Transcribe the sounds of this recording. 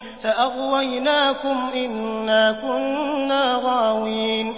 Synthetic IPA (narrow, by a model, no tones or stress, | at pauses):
faʔaɣwajnaːkʊmʔɪnːaːkʊnːaːɣɑːwiːn